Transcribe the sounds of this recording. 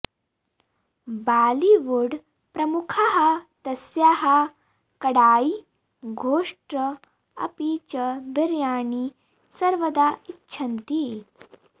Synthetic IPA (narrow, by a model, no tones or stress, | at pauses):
baːliʋuɽ | pɾɐmukʰaɦat̪ɐsjaːɦa | kɐɽaːi | ɡʱoːʂʈɾɐ | ɐ̰pit͡ɕɐbiɾjaːɳi | sɐɾʋɐd̪aitːɕʰɐnt̪i